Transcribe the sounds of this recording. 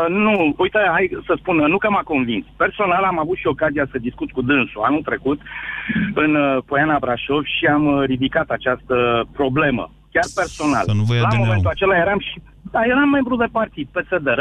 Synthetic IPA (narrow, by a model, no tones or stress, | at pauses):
nuujt̪əajsəspunnukəmako̞nvinspe̞rso̞nalamavut̪ʃio̞kazijasəd̪iskut̪kud̪ɨnsua̰nut̪ɾe̞kut̪ | ɨnpo̞janabɾaʃo̞vʃiamɾid̪ikat̪at͡ʃast̪əpɾo̞ble̞mə̰ | kʲarpe̞rso̞na̰llamo̞me̞nt̪ulat͡ʃe̞laje̞ɾamʃi | d̪aje̞ɾamːe̞mbɾud̪e̞part̪id̪̚pe̞se̞d̪eɾ